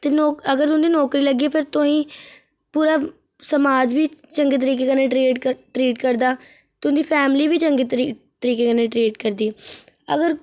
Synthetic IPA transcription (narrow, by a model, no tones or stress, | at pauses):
t̪eːnɔːkəɡəɾt̪ʊ̃nd̪iːnɔːkɾiːləɡieːpʰɪɾt̪ʊɦĩː | puːɾaː | səmaːd͡ʒbiːt͡ʃəŋɡeːt̪̬əɾiːk̬eːkənːẽːʈɾeːʈʈɾiːʈkəɾd̪aː | t̪ʊnd̪iːpʰɛːmliːbiːt͡ʃəŋɡeːt̪ɾt̪əɾiːkeːkənẽːʈɾeːʈkəɾd̪iːəɡəɾ